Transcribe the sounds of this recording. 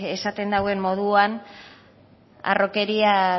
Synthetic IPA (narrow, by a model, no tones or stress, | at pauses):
e̞sat̪e̞nd̪awe̞mːo̞ð̞uan | a̰ro̞ke̞ɾia